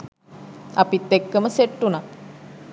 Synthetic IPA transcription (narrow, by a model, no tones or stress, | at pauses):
ɐpit̪ːekːəməseʈːuna